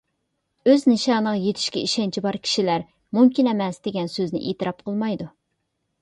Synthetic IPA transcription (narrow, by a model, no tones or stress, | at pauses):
øznɨʃɑːnəʁɑjet̪ʰɪ̥ʃkʲɛiʃɛnt͡ʃʰibɑɾkʲʰi̥ʃilæɾ | mumkʲinɛmɛsd̪eɡʲɛnsøznɪ̰ʔet̪ɨɾɑp̚qʰəlˠmɑjd̪u